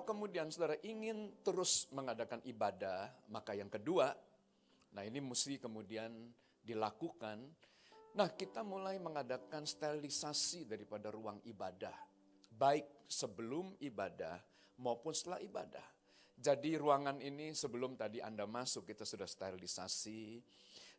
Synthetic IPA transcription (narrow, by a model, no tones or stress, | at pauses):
kəmudiansudaɾaʔiŋɪnt̪əɾʊsməŋadakanibadamakajaŋkədua | naɦinimusikəmudian | dilakukan | nahkit̪amulajməŋadakanst̪aɾilisasidaɾipadaɾuaŋibadah | baɪk̚səbəlʊmibadah | maupʊnsə̥t̪əlahiba̰da̰h | d͡ʒadiruaŋaninisəbəlʊmt̪adiʔa̰ndamasʊkːit̪asudahst̪aɾilisasi